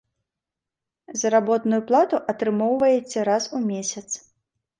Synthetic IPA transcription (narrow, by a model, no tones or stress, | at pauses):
zɐɾabɔt̪nujuplˠat̪uʔɐt̪ɾɨmɔwvɐjɛt͡sʲːɐɾasumʲesʲɐt̪s